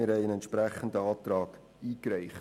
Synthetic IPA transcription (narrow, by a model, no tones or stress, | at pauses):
ɪɾhɛɪənɛntʃpɾæχəndəɑːt̪ɾɑːk | iːkɾɛɪχ